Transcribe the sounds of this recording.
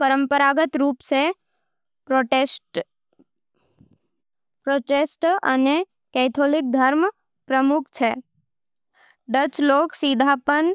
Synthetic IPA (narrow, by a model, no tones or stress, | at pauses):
pəɾə̃mpəɾaɡət̪ɾuːpse | pɾoːʈeːsʈə̰ne | kɛːt̪ʰoːlɪk̚d̪ʱəɾm | pɾəmʊkʰt͡ʃʰeː | ɖət͡ʃloːksid̪ʱaːpən